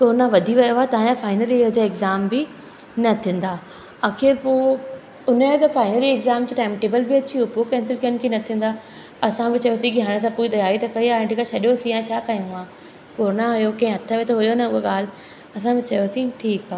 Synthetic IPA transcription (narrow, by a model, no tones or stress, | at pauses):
koːɾnaʋɐd̪ʱiʋɐjoaːt̪ɐããfaːɪnəlid͡ʑaɪɡzaːmbɪ | nɐt̪ʰĩːn̆d̪aː | aːxɪɾpoː | ʊnəet̪ɐfaːɪnəlieɡzaːmkeʈẽːmʈeːbəlbɪɐt͡ɕiopokɛ̃nsɪlkiənɪ̆kʰeːnɐt̪ʰĩːn̆d̪aː | ɐsãbɪt͡ɕɐjosĩkiɦaːɽ̃esãpuːit̪ɐjaːɾit̪ɐkʰɐiaːɪ̃ɖʱikaʃɐɗjosĩjãt͡ɕʰaːkajũaː | koːɾnãɦʊjokɐ̃ɪ̃ɦɐt̪ʰəmẽt̪oɦʊjonɐʊɦoɠaːl̤ | ɐsãbɪt͡ɕɐjosĩʈʰiːkaː